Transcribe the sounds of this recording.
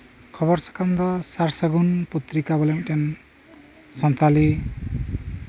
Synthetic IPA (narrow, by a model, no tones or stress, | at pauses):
kʰʌβʌɾsʌ̥kamd̪ɔsaɾsaɡunput̪ɾikabʌleŋʈen | sʌnt̪ali